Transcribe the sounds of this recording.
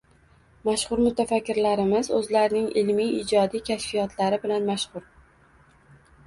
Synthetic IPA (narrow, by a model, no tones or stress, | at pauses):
maʃχʊɾmʊt̪ʰafakʲːɪɾlaɾɪmɪzɵzlaɾnɪŋɪlmijɪd͡ʒɒd̪ijkʲʰaʃfijɒt̪ʰlaɾɪbɪlanmaʃχʊɾ